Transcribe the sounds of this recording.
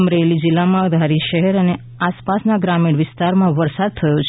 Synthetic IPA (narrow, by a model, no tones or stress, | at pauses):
mɾelid͡ʒɪlːamãəd̪ʱaɾiʃəɦɛɾəne | aspasnaɡɾamiɽ̃ʋɪst̪aɾmãʋəɾsad̪̚t̪ʰəjot͡ʃ